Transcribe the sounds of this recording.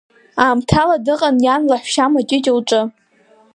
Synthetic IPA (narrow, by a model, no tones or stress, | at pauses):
aːmtʰaladɨqʼanjanlaħʷʃamat͡ʃʼɪtʲʼolʈ͡ʂʼɨ